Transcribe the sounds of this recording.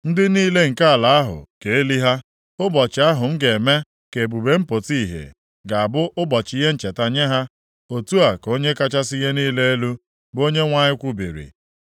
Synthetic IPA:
n̩˦dɪ˦niː˦le˦ŋ̩˨ka˦a˨la˨a˦ɦʊ̰˨ke˨e˦li˦ɦa˦ | ʊ˦bɔ˨t͡ʃɪ˨a˦ɦʊ˨ŋ̩˦ɡe˨e˨me˦ | ke˨bu˨be˦m̩˦po˨ti˦i˨ɦḛ˨ | ɡa˨a˨bʊ˦ʔʊ˦bɔ˨t͡ʃɪ˨˦ɦe˦n̩˨t͡ʃe˨ta˦ɲe˦ɦa˦ | o˨tu˦a˨ko˦ɲe˦ka˦t͡ʃa˦sɪ˦je˦niː˦le˦e˦lu˦ | bo˦ɲe˦ŋʷa˦ɲɪ˦kʷu˦bḭ˨ɾḭ˨

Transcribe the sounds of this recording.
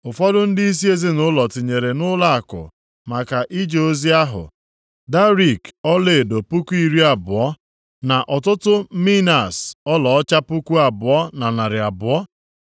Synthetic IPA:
ʊ˨fɔ˦dʊ˦n̩˦di˦i˦s̬i˦e˦zi˦nʊ˦lɔ˨tɪ˨ɲe˨ɾe˨nʊ˦la˦a˨kʊ̰˨ | ma˨ka˨ʔi˦d͡ʒo˨o˦zi˦a˦ɦʊ̰˨ | da˦ɾi˨kɔ˦le˨do˨pu˦ku˦i˦ɾi˦a˨bʊ˨ɔ˦ | na˨ʔɔ˨tʊ˦tʊ˦mi˦na˨sɔ˦lɔ˨ɔ˦t͡ʃa˦pu˦ku˦a˨bʊ˨ɔ˦na˨na˨ɾɪ˨a˨bʊ˨ɔ˦

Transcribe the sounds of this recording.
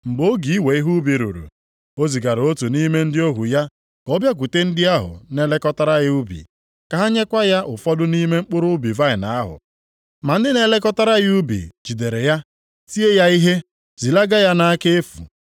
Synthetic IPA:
mŋ͡m̩˨ɡ͡bo˦ɡi˨˦we˨i˦ɦu˦bi˨ɾṵ˨ɾṵ˨ | o˦zi˨ɡa˨ɾo˦tu˨ni˦me˦n̩˦dɪ˦o˦ɦu˨ja˦ | kɔ˦bja˦k̬ʷu˨te˦n̩˦dɪ˦a˦ɦʊ̰˨ne˦le˦kɔ˦ta˦ɾa˦ɣɪ˦u˦bḭ˨ | ka˨ɦa˦ɲe˦kʷa˦ja˦ʔʊ˨fɔ˦dʊ˦ni˦me˦ŋ͡m̩˦k͡pʊ˦ɾʊ˦ʊ˦bi˨va˦ɪ˨na˨a˦ɦʊ̰˨ | ma˨n̩˦dɪ˦ne˦le˦kɔ˦ta˦ɾa˦ɣɪ˦u˦bḭ˨d͡ʒi˨de˨ɾe˨ja˦ | si˦e˦ja˦i˦ɦe˦ | zi˨la˦ɡa˦ja˦na˦a˦ke˦e˦fṵ˨

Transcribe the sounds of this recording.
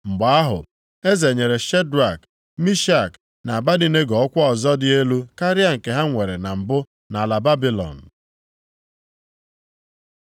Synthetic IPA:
m̩˨ɡ͡ba˨a˦ɦʊ̰˨ | e˦ze˨ɲe˨ɾe˨ʃe˦dɾa˨k | mi˦ʃa˦˨k | na˨a˨ba˦di˦ne˦ɡɔ˨ɔ˦kʷɔ˦ɔ˨zɔ˦dɪ˦e˦lu˦ka˦ɾɪ˦a˨ŋ̩˨ke˨ɦa˦ŋʷe˨ɾe˨na˨m̩˨bʊ˦ | na˨a˨la˨ba˦bi˦lɔ̰˨n̩˨

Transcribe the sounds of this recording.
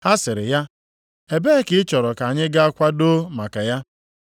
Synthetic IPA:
ha˦sɪ˨ɾɪ̰˨ja˦ | e˨be˦kɪ˦t͡ʃɔ˨ɾɔ˨ka˨ɲɪ˦ɡa˦a˦kʷa˦do˦ma˨ka˨ja˦

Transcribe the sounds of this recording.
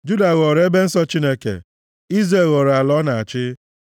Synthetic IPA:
d͡ʒu˦da˨ɣɔ˨ɾe˦be˦n̩˦sɔ˦t͡ʃi˦ne˦kḛ˨ | i˦zɾe˦˨ɣo˨ɾa˨lɔ˦na˨a˨t͡ʃɪ˦

